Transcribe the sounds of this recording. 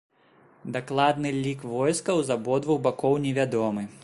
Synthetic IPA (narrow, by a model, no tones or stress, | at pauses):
d̪aklˠad̪nɨlʲikvɔjskɐwzabɔd̪vuwbakɔwnʲɛvʲad̪ɔmɨ